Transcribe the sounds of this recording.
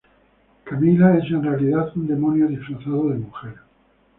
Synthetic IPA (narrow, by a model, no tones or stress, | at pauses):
kamilae̞sẽ̞nrealiðaθund̪e̞monjoðifɾaθað̞oðemuxeɾ